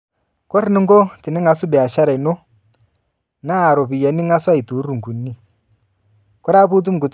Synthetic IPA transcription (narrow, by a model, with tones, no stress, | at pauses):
kɔ˦ri˨˦ni˦ŋɡɔ˦ti˨ni˦ŋa˨˦su˦ɓɛ˨a˨ʃa˦ɾa˨i˨nɔ˦ | naː˦˨ɾɔ˨βi˨ja˨˦ni˦ŋa˦swa˦i˨tu˨˦ɾu˨ŋɡu˨nːi˦ | kɔ˦ɾa˦pu˦t̬u˦m̩˨ku˨t͡s